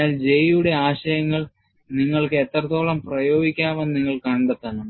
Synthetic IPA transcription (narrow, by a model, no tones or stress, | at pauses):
aːld͡ʑe̞juɽe̞aːɕɐjɐŋːɐɭ | niŋːɐɭkɨet̪ːrɐt̪ːo̞ːɭɐmprɐjo̞ːɡikʲːaːʋenniŋːɐɭkɐɳɖet̪ːɐɳɐm